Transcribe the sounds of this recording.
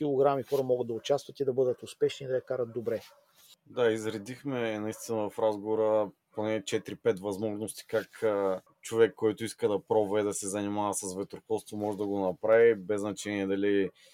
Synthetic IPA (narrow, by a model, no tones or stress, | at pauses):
kʲilˠoɡɾamixɔɾəmɔɡəd̪d̪ɐʊt͡ʃast̪vɐt̪id̪ɐbɤd̪ət̪ʊspɛʃniːd̪ɐjɐkaɾət̪̚d̪obɾɛ | d̪aizɾɛd̪ixmɛnɐist̪inəvɐfɾazɡovoɾəponɛt͡ʃɛt̪ɾipɛt̪vɐzmɔʒnost̪i̥kakː | t͡ʃovɛkːɔjt̪ʊiskəd̪ɐpɾɔvɛd̪ɐsɛzɐnimavɐsɐsvɛt̪ɾoxɔlˠst̪vomɔʒɛd̪ɐɡonɐpɾavibɛznɐt͡ʃɛniɛd̪ɐli